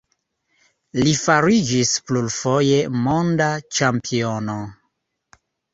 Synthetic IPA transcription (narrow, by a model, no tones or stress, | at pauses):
lifaɾid͡ʒisplulfo̞je̞mo̞ndat͡ʃampʰio̞no̞